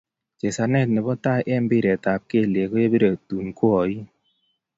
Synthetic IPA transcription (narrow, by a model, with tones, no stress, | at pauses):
t͡ʃe˨sa˨nɛ˦˨t̚nɪ˨bɔ˦ta˦ʔɛ˦mbɪ˦˨ɾɛ˨ta˨p̚ke˦˨le˨ko˦je˦be˦ɾe˨tu˨nkwɔ˨i˦